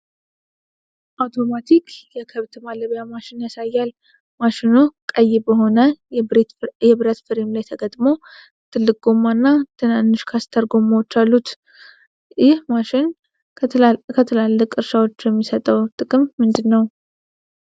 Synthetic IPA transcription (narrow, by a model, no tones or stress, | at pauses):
ʔawt̪ʰo̞mat̪ʰikʰjɛkʰəβt̪ɨmaləβjamaʃɪnjasajːal | maʃɪnukʼəjːɪbəɦo̞nə | jɛβɾət̪fɨɾimlajt̪ʰəɡət̪ʼmo̞ | t̪ʰɨlːɨk̚ʼɡomːanːat̪ʰɨnanːɨʃkʰast̪ʰəɾɡo̞mːawt͡ʃːalːut̪ | jɪhmaʃɪn | kʰət̪ʰəlalːəkʼɨɾʃawot͡ʃːjɛmːisət̪ʼəwt̪ʼɨkʼɨmːɨnd̪ɨnːəw